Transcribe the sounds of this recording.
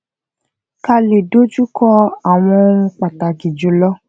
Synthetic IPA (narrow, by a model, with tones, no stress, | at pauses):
ka˧le˨do˦d͡ʒu˦kɔ˧a˨w̃ɔ̃˧ũ˧k͡pa˨ta˨ki˨d͡ʒu˨˦lɔ˦